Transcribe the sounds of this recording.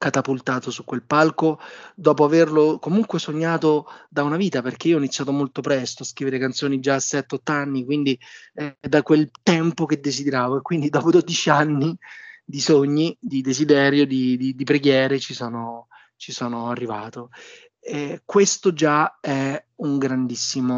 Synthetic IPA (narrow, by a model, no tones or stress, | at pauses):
kat̪apult̪aːt̪osukːwelpalkod̪ɔːp̬oaverlokomuŋkwesoɲːaːt̪od̪aunaviːt̪aperk̟eioɔinit̪sjaːt̪̬omolt̪opɾɛst̪oaskɾiveɾekant̪soːnid͡ʒaːsɛt̪ːeɔt̪ːanːikwind̪i | d̪akwelt̪ɛmpoked̪ːezid̪eɾaːvoekːwind̪id̪ɔːpod̪od̪it͡ʃianːid̪isoɲːid̪id̪ezid̪ɛːɾjod̪id̪id̪ipɾeɡjɛːɾet͡ʃisɔːno | t͡ʃisɔːnoarːivaːt̪o | ɛkwest̪od͡ʒaɛuŋɡɾand̪isːimo